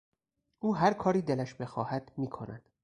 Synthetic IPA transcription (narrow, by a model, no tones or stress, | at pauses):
ʔuːɦæɾkʰɒːɾiːd̪elæʃbe̞xɒːhæd̪miːkʰonæ̰d̪̥